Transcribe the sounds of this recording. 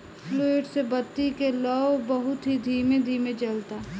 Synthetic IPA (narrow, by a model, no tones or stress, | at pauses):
ploeʈsebɐt̪ːikelɔːbɐɦʊt̪ɦid̪ʱiːmed̪ʱiːmed͡ʒɐlt̪aː